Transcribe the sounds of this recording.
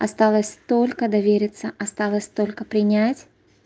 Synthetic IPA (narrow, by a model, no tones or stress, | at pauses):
ɐst̪alˠəsʲt̪o̞lʲkəd̪ɐvʲeɾʲɪt̪səʔɐst̪alˠəsʲt̪o̞lʲkəpɾʲɪnʲatʲ